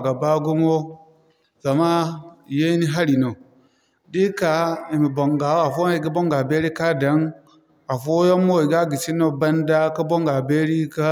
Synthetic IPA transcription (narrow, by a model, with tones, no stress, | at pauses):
ɡa˨ba˦ɡu˦m˦o˦ | za˨ma˦˨je˦ni˦ɦa˦ɾi˨no˨ | di˦ka˨i˨mi˨bo˨ŋɡa˨˦a˨fo˦˨ɡi˦bo˦ŋɡa˨be˦ɾi˦ka˦da˨˦n | a˨fo˦jo˦mo˦i˨ɡa˦ɡi˨t͡ʃi˦no˦ba˦nda˦ka˦bo˦ŋɡa˨be˦ɾi˦ka˦